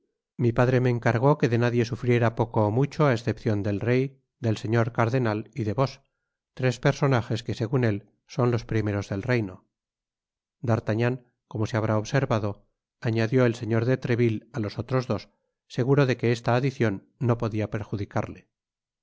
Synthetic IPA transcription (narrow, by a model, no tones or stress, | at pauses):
mipaðɾe̞me̞ːŋkaɾɣ̞o̞ke̞ðe̞naðje̞sufɾje̞ɾapo̞koːmut͡ʃo̞aesθe̞pθjo̞nd̪e̞lre̞j | d̪e̞lse̞ɲo̞ɾkaɾðe̞naliðe̞βo̞s | t̪ɾe̞spe̞ɾso̞naxe̞ske̞se̞ɣune̞l | so̞nlo̞spɾime̞ɾo̞zðe̞lre̞jno | d̪aɾt̪aɲaŋ | ko̞mo̞seaβɾaoβseɾβaðo̞ | aɲaðjo̞e̞lseɲo̞ɾðe̞t̪ɾe̞βilalo̞so̞t̪ɾo̞zðo̞sː | e̞ɣ̞uɾo̞ðe̞ke̞est̪aːðiθjo̞nː | o̞po̞ðiape̞ɾxuðikaɾle